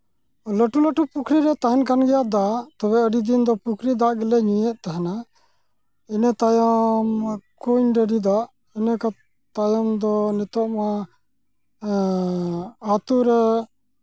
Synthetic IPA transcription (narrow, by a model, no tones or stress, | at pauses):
ləʈuləʈupukʰɾiɾɛt̪aɦɛnkanɡɛjaʔd̪aʔʔt̪ɔbɛəɖid̪ind̪ɔpukʰɾid̪aʔɡɛlɛɲũjɛʔ̚t̪aɦana | inɛt̪ajɔmkuɲɖəɖid̪aʔ | inəka | t̪ajɔmd̪ɔnɛt̪ɔʔma | at̪uɾɛ